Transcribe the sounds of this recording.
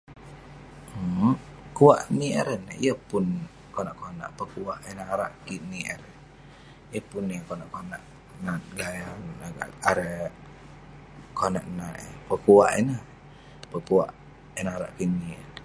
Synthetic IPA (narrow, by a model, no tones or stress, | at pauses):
kuaʔniɛ̰ɾənḭəpʊn | konaʔkona̰ʔpəkuaʔənaɾaʔkiniʔə̰ɾən | ijəpʊnːikonaʔkona̰ʔ | nat̪̚ɡaja | aɾə | konaʔnaʔə̰pəkuaʔə̰nah | pəkuaʔ | ɛnaɾa̰ʔkinin